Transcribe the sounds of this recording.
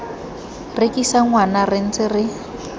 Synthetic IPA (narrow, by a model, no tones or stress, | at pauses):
rɪkisaŋwanarɪn̩t͡sɪrɪ